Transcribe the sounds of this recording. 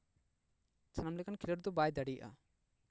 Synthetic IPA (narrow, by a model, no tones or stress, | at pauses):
t͡ʃʰanamlɛkankʰilɔɾd̪ɔbajd̪aɽija̰ʔa̰